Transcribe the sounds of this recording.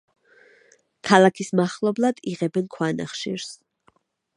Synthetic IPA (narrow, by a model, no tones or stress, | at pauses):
kʰalˠakʰismaχlˠɔblˠad̪̥iʁɛbɛnkʰwana̰χʃḭɾs